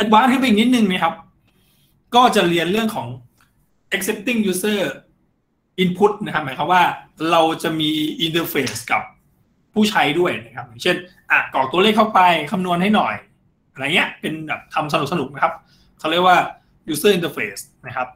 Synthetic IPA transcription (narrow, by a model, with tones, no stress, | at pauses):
ʔe˧˦˥t̪̚waː˦˥nt̪ʰpa˨˩kni˥t̪̚nɯ˧ŋma˦˥kʰa˦˥p̚ | kɔː˥˩t͡ɕa˨˩ɾi˧ənɾɯ˥˩əŋkʰɔː˩˦ŋ | ʔe˦˥k̚se˦˥p̚t̪i˥˩ŋjuː˦˥sɤː˥˩ | ʔi˧npʰu˦˥t̪̚na˦˥kʰa˦˥maː˩˦kʰa˦˥p̚waː˥˩ɾa˧wt͡ɕa˨˩miː˧ʔi˧nt̪əː˧feː˦˩ska̰˨˩p̚ʰː | uː˥˩t͡ɕʰa˦˥jdu˥˩əjna˦˥kʰa˦˥p̚jaː˨˩ŋt͡ɕʰe˥˩nʔa˨˩kɔː˨˩u˧əleː˥˩k̚ːʰa˥˩wpa˧jkʰa˧mnu˧ənha˥˩jnɔ˨˩j | ʔna˧˩ni˦˥ɐʔpe˧nbɛː˨˩p̚t̪ʰa˧ms̬a˧nu˨˩k̚sa˧nu˨˩k̚na˦˥kʰa˦˥p̚ | kʰa˥˩wɾi˥˩ək̚waː˥˩ | juː˦˥sɤː˥˩i˧nt̪əː˧feː˦˩sna˦˥kʰa˦˥p̚